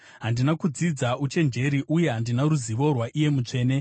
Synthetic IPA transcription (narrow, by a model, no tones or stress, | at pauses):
ɦandinakud͡zid͡zaut͡ʃe̞nd͡ʒe̞ɾiʔuje̞ɦandinaɾuziʋo̞rwaʔije̞mut͡ʂe̞ːne̞